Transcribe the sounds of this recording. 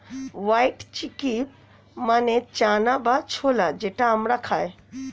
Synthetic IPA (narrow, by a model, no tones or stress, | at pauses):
ʋaiʈt͡ʃiki | manet͡ʃaːnabat͡ʃʰoːlad͡ʒeːʈaɦəmɽakʰaːe